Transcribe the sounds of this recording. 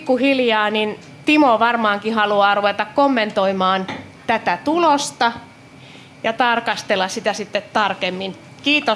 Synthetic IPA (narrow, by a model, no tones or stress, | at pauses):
kːuhiljɑːnin | t̪imoʋɑrmɑːŋkihɑluɑːruʋet̪ɑkkomːent̪oimɑːn | t̪æt̪æt̪ulost̪ɑ | jɑt̪ɑrkɑst̪elːɑssit̪æsit̪ːet̪t̪ɑrkemːin | kiːt̪o